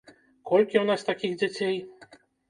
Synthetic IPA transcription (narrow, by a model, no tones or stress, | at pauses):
kɔlʲkʲiwnast̪akʲixd͡zʲat͡sʲej